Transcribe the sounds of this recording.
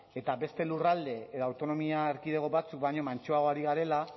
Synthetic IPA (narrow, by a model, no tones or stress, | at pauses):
e̞t̪abe̞st̪e̞lurald̪e̞eðawt̪o̞no̞miaeɾkið̞e̞ɣoβat͡suk̚bajɲo̞mant͡ʃo̞aɣo̞aɾiɣaɾe̞la